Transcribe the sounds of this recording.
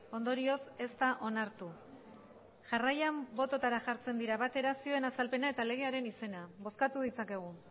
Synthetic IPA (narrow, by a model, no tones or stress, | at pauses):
o̞nd̪o̞ɾio̞se̞st̪aʔo̞naɾt̪u | ʝarajambo̞t̪o̞t̪aɾaʝaɾt͡se̞nd̪iɾaβat̪e̞ɾasioe̞nasalpe̞nae̞t̪ale̞ɣ̞e̞aɾe̞nise̞naβo̞skat̪uð̞it͡sake̞ɣ̞u